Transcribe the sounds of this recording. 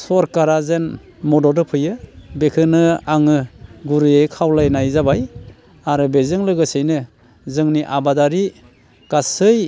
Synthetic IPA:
sɔɾkaɾazen | mɔdɔdɯpʰɯjɯbekʰɯnɯaŋɯɡuɾɯekʰawlajnajzabaj | aɾɯbezɯŋlɯɡɯsɯjnɯ | zɯŋniʔabadaɾi | kasɯj

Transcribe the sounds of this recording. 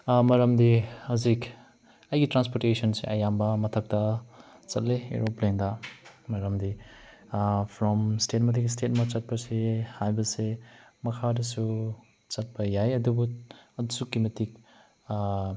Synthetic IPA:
mɐɾɐmdihɐzik | ɐjɡitɾanspoɾtesɔnseʔɐjambɐmɐtʰɐk̚tɐ | t͡ʃɐ̰t̚leḛɾopleŋdɐmɐɾɐmdi | pʰɾɔmstet̚mɐt̬ikstet̚mɐt͡sɐt̚pɐsehajbɐsemɐkʰadɐsu | t͡ʃɐt̚pɐjajɐdubuɐdusukːimɐtik̚

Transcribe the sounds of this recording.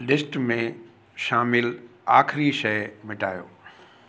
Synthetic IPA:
lɪsʈmẽ | ʃaːmɪlaːxɪɾiʃɐjmɪʈaːjo̰ː

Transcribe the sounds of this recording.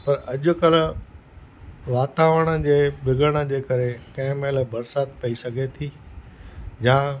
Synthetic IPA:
pɐɾɐʄʊ̆kɐl | ʋaːt̪aːʋəɽ̃ə̆d͡ʑeːbɪɡəɽ̃ə̆d͡ʑeːkɐɾekɐ̃ɦɪ̃melbɐɾsaːt̪̚pɐisɐɡʱet̪ʰiː | jãː

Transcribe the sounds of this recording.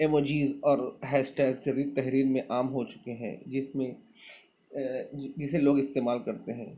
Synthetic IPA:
emoːd͡ʒiːzɔːɾɦɛːsʈɛːlseɾiːɾt̪ɛɦɾiːɾmẽʔaːmɦot͡ʃʊ̥keɦɛ̰̃ːd͡ʒɪsmẽ | d͡ʒɪseloːɡɪst̪eːmaːlkɐɾt̪eɦɛ̰̃ː

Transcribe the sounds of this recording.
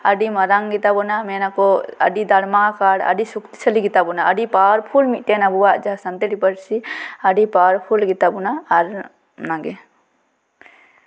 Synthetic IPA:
əɖimaɾaŋɡit̪abɔnamɛnakɔə̰ɖid̪aɽmakaɽə̰ɖisuk̚t̪i̥sʰəliɡit̪abɔnaəɖipaɾpʰulmit̪̚ʈɛnabuwaʔd͡ʒaɦasənt̪eɾipəɽsiəɖipaɾpʰulɡit̪abunaːɾ | naɡɛ

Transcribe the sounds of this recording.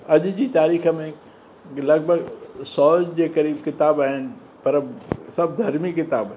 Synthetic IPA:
ɐʄd͡ʑit̪aːɾiːxə̆mẽ | lɐɡ̚bʱəɡsɔːd͡ʒd͡ʑekɐɾiːbkɪt̪aːbaːɦɪnɪ̆ | pɐɾsɐb̚d̪ʱɐɾmikɪt̪aːb

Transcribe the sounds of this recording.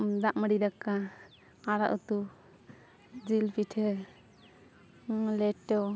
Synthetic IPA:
d̪aʔməɽidakaː | ɾaʔut̪u | d͡ʒilpiʈʰɛ | lɛʈːɔ

